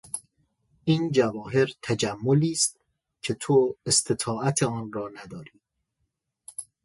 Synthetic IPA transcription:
ʔiːnd͡ʒævɒːɦe̞ɾt̪ʰæd͡ʒæmːoliːst̪ | cʰe̞t̪ʰoest̪ʰet̪ʰɒːæt̪ʰeɒːnɾɒːnæd̪ɒːɾiː

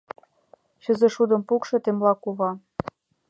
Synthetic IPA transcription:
ɕɤ̆zɤ̆ʃud̪ɤ̆mpukʃɤ̆t̪emlɑkuβɑ

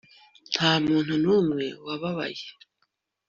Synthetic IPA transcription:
n̥haːmuːn̥hunuːmŋe̞waβaβa̰je

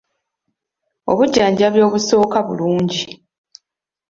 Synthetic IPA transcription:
o̞̰βuɟːaːɲɟaβjo̞ːβuso̞ːkaβṵluːɲɟi

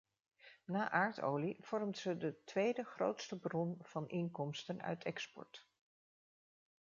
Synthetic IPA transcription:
naːʔaːɹto̰wliv̥ɔɹmtsədətʋejdəχrowtstəbrɔnv̥ɑnʔɪŋkɔmstənœ̰ɥtʰɛkspɔ̰ɹt

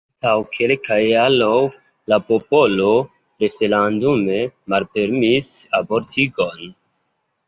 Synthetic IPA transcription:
tawkʰe̞lkajalow | lapo̞po̞lo̞ | ɾe̞fe̞landume̞malpe̞ɾmisabo̞ɾtiɡo̞n

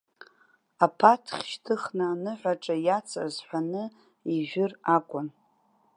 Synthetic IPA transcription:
apʰatʰχʲʃtʰɨχnaːnɨħᶣʷaʈ͡ʂʼajat͡sʰa̰zħʷanɨ | iʒʷᶣɪrakʷʼʊn

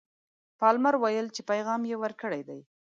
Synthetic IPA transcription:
pɑlmaɾwajəlt͡ʃepajɣɑmjewəɾkəɽajd̪aj

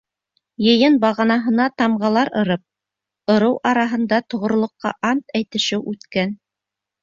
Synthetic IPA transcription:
jɤ̆jɤnbɑʁɑnɑɦɤ̆nɑt̪ɑmʁɑlˠɑɾɤ̆ɾɤp̚ | ɤ̆ɾɤwʔɑɾɑɦɤ̆nd̪ɑt̪ŏʁŏɾ̆lˠŏqːɑ̰ʔɑnt̪æjt̪ɘ̆ʃɘwʔʉt̪kæn

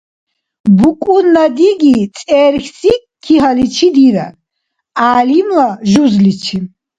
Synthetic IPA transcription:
bukʼunːad̪iɡit͡sʼɛːɾχsi | kʰːiɦalit͡ʃʰid̪iɾa̰ | aːlimlaʒuzlit͡ʃʰi

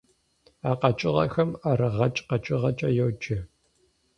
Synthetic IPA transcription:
aːqɐt͡ʃʼɪʁɐ̰xɐmaɾɨʁɐt͡ʃʼqɐt͡ʃʼɪʁɐt͡ʃʼɐjowt͡ʃʼɪ

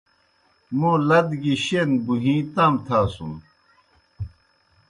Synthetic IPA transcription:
mũːlɐd̪ɡiɕenbuɦĩːt̪aːmt̪ʰaːsṵm

